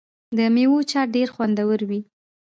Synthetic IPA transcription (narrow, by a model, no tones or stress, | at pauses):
d̪əmewot͡ʃɑɾɖeɾxwand̪awəɾwi